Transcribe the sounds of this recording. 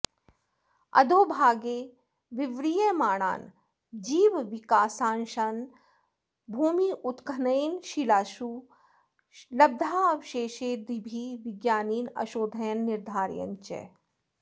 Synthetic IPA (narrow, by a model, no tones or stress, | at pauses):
ɐ̰d̪ʱoːbʱaːɡeː | ʋɪʋɾijemaːɽ̃a̰ːn | d͡ʒiːʋʋɪkaːsaːnʃan | bʱuːmiʔut̪kʰɐnɐjnʃilaːʃuː | lɐb̚d̪ʱaːɐʋʃeːʃeːd̪ibʱiːʋɪɡjaːniːnɐ̰ʃoːd̪ʱɐjɐnːɪɾd̪ʱaːɾjɐ̰nt͡ʃḛ